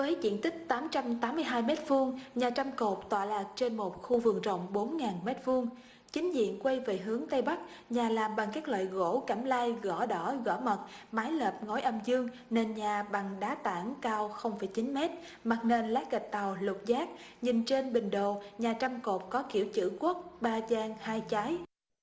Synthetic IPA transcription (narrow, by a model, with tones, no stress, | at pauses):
vəː˨˦jzḭ˧˨nt̪ï˦˥k̚t̪aː˨˦mt͡ɕa˧mt̪aː˨˦mːɨ˧əjɦaː˧jmɛ˦˥t̚fɨ˧əŋɲaː˨˩t͡ɕa˧mko˨˩p̚t̪wa̰ː˧˨laː˨˩k̚t͡ɕe˧nmo˨˩t̚xu˧vɨ˨˩əŋzə̰˧˨wŋ͡mɓo˨˦nŋaː˨˩nmɛ˦˥t̚fu˧əŋ | t͡ɕï˨˦ŋ̟zḭ˧˨ənkwe˧jvḛ˨˩ɦɨ˨˦əŋt̪ə˧jɓa˦˥k̚ | ɲaː˨˩laː˨˩mɓa˨˩ŋkaː˦˥k̚lwa̰ː˧˨jɣo̰˧˥ka˧˩mlaː˧jɣɔ˧˩ɗɔ˧˩ɣɔ̰˧˩mə˨˩t̚maː˨˦jləː˨˩p̚ŋo˨˦jʔə˧mzɨ˧əŋ | ne˧nɲaː˨˩ɓa˨˩ŋɗaː˨˦t̪a̰ː˧˩ŋkaː˧wxə˧wŋ͡mfaː˧˩jt͡ɕi˨˦nmɛ˦˥t̚ | ma˨˩k̚ne˧nlaː˨˦˥jɣa˨˩jk̟̚t̪a˨˩wlʊ˨˩t̚zaː˦˥k̚ɲï˨˩ŋt͡ɕe˧nɓï˨˩ŋ̟ɗo˨˩ɲaː˨˩t͡ɕa˧mko˨˩p̚kɔ˨˦kḭ˧˩əwt͡ɕɨ̰˧˩kwu˦˥t̚ɓaː˧zaː˧ŋhaː˧jt͡ɕaː˨˦j